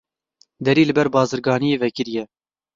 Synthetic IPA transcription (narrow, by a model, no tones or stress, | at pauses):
d̪ɛɾiːlɨbɛɾbɑːzɨɾɡɑːnijeːvɛkɨɾijɛ